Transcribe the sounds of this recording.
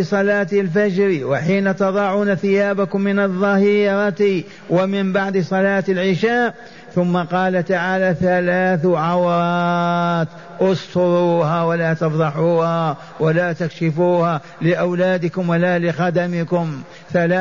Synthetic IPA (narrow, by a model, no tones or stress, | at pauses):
sˤɑlɑːt̪ɪlfad͡ʒɾiwɪħiːnat̪ɑðˤɑʕuːnaθɪjaːbakʊmːɪnɑðˤːɑhiːɾˤɑt̪i | wɪmɪmbaʕd̪sˤɑlɑːt̪ɪlʕɪʃaːʔ | θʊmːaqɑːlat̪aʕaːlaθalaːθʕawɾˤɑ | t̪ | ʔʊst̪ʊɾuːhawalat̪ɑfðˤɑħuːha | walat̪akʃɪfuːha | lɪʔawlaːd̪ɪkʊmwalalɪxad̪amɪkʊm | θalaː